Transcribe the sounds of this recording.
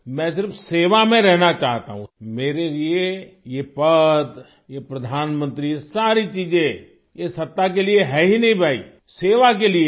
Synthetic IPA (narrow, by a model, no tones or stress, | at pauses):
mɛ̃ːsɪɾfseːʋamẽɾɛɦnat͡ʃaːɦt̪a̰ɦũmeːɾeliejepɐd̪ | jepɾɐd̪ʱaːnmə̃nt̪ɾisaːɾit͡ʃiːzẽ | jesɐt̪ːak̬elieɦɛɦinɐɦĩbʱaːḭ | seːʋak̬elie